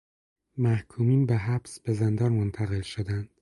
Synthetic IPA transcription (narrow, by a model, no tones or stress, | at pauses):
mæhkʰuːmiːnbeɦæb̥sb̥ezend̪ɒːnmont̪ʰæɣe̞lʃod̪ænd̪̥